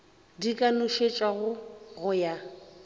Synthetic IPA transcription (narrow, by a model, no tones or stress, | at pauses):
dikʼanʊʃet͡ʃʼwaɣʊɣʊja